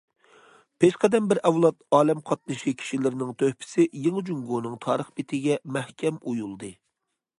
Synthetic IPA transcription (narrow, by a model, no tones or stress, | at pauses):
pʰeʃqɛd̪ɛmbɪɾɛwlˠɑt̪̚ɑːlɛmqʰɑt̪̚nɨʃikʲʰi̥ʃilɪɾɪnɪŋt̪ʰøhpʰɪ̥sɪjeŋd͡ʒuŋɡonɨŋt̪ʰɑːɾəχbɪt̪ʰɪɡʲɛmɛhkʲʰɛmujulˠd̪ɨ